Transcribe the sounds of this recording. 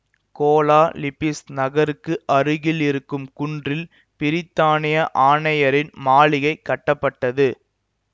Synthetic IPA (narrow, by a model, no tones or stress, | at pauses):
koːlaːlɪpɪsnɐɣɐɾɯkːɯʔɐɾɯɣɪlɪɾɯkːɯmkʊɳdrɪl | pɪɾɪt̪ːaːnɪjɐʔaːnɐjɐɾɪnmaːɭɪɣɐɪkːɐʈːɐpːɐʈːɐðɯ